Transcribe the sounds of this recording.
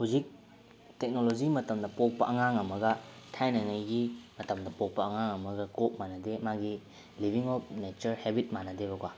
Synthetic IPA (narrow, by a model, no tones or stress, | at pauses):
huzik̚ | tek̚nolod͡ʒiɡimɐtɐmdɐpok̚pɐʔɐŋaŋɐmɐɡɐtʰajnaŋajɡimɐtɐmdɐpok̚pɐɐŋaŋɐmɐɡɐɡop̚manɐdemaɡi | libʱiŋɔp̚net͡ʃɐɾhebit̚manɐdeβɐkwa